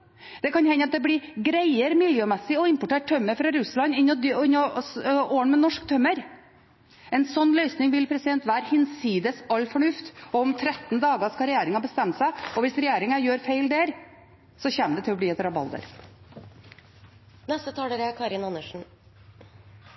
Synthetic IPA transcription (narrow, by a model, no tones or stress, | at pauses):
d̪̥ɛkɑnhɛnːəɑt̪̚d̪ɛblɪɡɾæɪəɾmɪljøːmɛsːɪɔɪmpʊʈeːʈ̚tʰːœmːəɾfɾɑɾʉslɑnɪnd̪ɪnːɔoːəɳmɛnɔʂkt̪ʰœmːəɾ | ɛnsɔnːlœʏsnɪŋʋɪlpʰɾɛsɪd̪ɛnt̪ʋæːɾhɪnsiːd̪əsɑlːfɔɳʉft̪ɔɔmt̪ʰɾɛt̪ːnd̪ɑːɡəskɑɾɛjeːɾɪŋɑbəst̪ɛmt̪sæɪɔʋɪsɾɛjeːɾɪŋəɾjøːɾfeɪld̪eːɾ | sɔçɛmd̪ɛt̪ɪlɔb̪iːɛt̪ɾɑbɑ̰ld̪ə̰ɾ | nɛst̪ət̪ʰɑːɾəkʰɑɾɪnɑnəʂn̩